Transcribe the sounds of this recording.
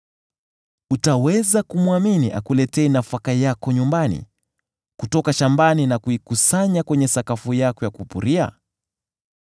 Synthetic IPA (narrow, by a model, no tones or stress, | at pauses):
utawɛzakumuaminiʔa̰kulɛtɛɛnafakajakɔɲumbanḭ | kutɔkaʃambaninakuikusaɲakwɛɲɛsakafujakɔjakupṵɾia̰